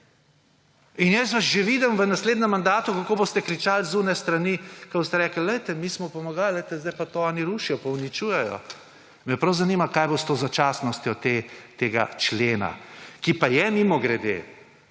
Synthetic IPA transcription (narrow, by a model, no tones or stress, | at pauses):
injɛsʋaʃʒeʋiːd̪əmʋənasleːd̪nɛmːand̪aːt̪ukakoːboːst̪ɛkɾit͡ʃaːlzunɛst̪ɾanikabost̪ɛɾɛːkəl̩lɛjt̪ɛmismɔpɔmaɡalləjt̪ɛzd̪ajpat̪oɔniɾuːʃijɔpaunit͡ʃuːjɛjɔ̰ | mɛpɾɐwzaniːmakaːjbost̪ozat͡ʃaːsnɔst̪jɔt̪et̪eːɡa̰t͡ʃleːna̰kipajɛmimɔɡɾɛd̪ḛ